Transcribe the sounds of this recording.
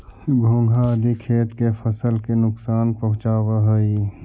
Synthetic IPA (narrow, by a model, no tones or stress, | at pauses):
ɡʱõːŋɡʱad̪ikʰeːʈ̪kefʰəsəlkenʊksaːnpɐɦʊ̃t͡ʃaːwaɦəi